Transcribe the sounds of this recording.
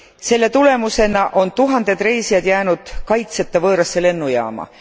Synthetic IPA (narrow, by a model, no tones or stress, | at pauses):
se̞lːe̞t̪ule̞muse̞nɑʔo̞nt̪uɦɑnd̪e̞d̪re̞jsijɑd̪̥jæːnud̪̥kɑjt̪set̪ːˑɑvɤːɾɑsːe̞le̞nːujɑ̰ːmɑ̰